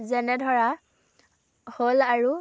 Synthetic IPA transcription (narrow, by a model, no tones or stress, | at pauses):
zɛnɛdʱɔɹa | holaɹu